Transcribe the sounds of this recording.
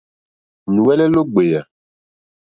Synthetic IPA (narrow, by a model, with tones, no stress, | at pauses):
nũ˨wɛ˦lɛ˦lo˦ɡ͡be˨ja˨